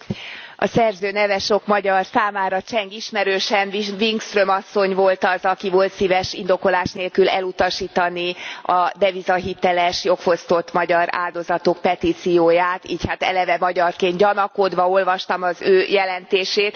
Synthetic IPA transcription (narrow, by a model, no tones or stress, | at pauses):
ɒ̰sɛrzøːnɛvɛʃo̞kmɒɟɒrsaːmaːɾɒt͡ʃɛŋɡiʃmɛɾøːʃɛnviŋkst̪rømɒsːo̞ɲvo̞lt̪ɒzɒkivoːlt̪siːvɛʃind̪o̞ko̞laːʃneːlkylɛ̰lut̪ɒʃiːt̪ɒniɒd̪ɛvizɒɦit̪ɛlɛʃjo̞kfo̞st̪o̞t̪mɒɟɒɾa̰ːld̪o̞zɒt̪ok̚pɛt̪iːt̪sijoːjaːt̪iːchat̪ɛ̰lɛvɛmɒɟɒrkeːnɟɒnɒko̞d̪ʋɒo̞lvɒʃt̪ɒmɒzøːjɛlɛnt̪eːʃeːt̪